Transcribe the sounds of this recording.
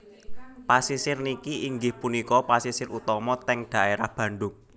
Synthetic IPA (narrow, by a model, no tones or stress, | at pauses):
pasisɪrnikiiŋɡɪhpunikɔpasisɪrut̪ɔmɔt̪ɛŋd̥ä̤ʔeɾahb̥ä̤ɳɖʊŋ̚